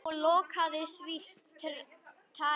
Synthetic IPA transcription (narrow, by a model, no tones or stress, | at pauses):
ɔlɔːkʰaðɪsɾihpt̪ʰɪlt̪ʰa